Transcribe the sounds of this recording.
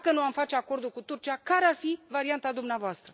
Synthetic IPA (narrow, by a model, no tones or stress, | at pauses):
kənuamfat͡ʃeako̞rd̪ulkut̪urt͡ʃiakaɾearfivaɾiant̪ad̪umneavoast̪ɾə